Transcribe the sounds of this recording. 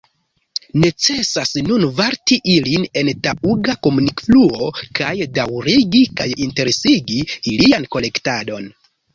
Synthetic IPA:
ne̞t͡se̞sasnunvaɾtiʔiline̞ntauɡako̞munikfluo̞kajdawɾiɡikajinte̞ɾe̞siɡiilianko̞le̞ktado̞n

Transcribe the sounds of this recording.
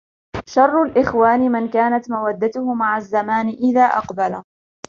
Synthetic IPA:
ʃɑrˤːʊlʔɪxwaːnɪmɪnkaːnat̪mawad̪ːat̪ʊhʊmaʕazːamaːnɪʔɪðaːʔɑ̰qbala

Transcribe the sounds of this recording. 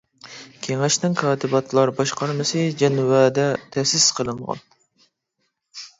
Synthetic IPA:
kʲʰeŋɛʃnɪŋkʰɑːt̪ʰɨbɑt̪ʰlˠɑɾbɑʃqɑɾmɨsɨd͡ʒɛnwɛːd̪ɛt̪ʰɛsɪsqʰəlˠɨɴʁɑ̰n

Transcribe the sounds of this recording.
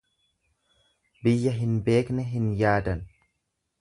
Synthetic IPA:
bɪjːɐɦɪnbe̞ːknɛɦɪnjaːd̪ɐn

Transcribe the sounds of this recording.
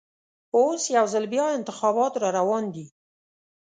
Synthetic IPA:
osjawzalbjɑɪnt̪ɪxɑbɑt̪ɾɑɾawɑnd̪i

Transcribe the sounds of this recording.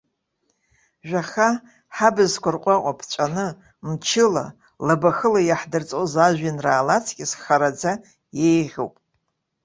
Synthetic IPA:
ʒᶣʷaχa | ħabɨzkʷarqʷʼaqʷʼapʰt͡ʃʷʼanɨ | mt͡ʃʰɪla̰ | labaxɨlajaħdɨrt͡sʼozaʒʷᶣinraːlat͡sʰkʲʼɪsχaɾad͡za | jejʁʲo̰wpʼ

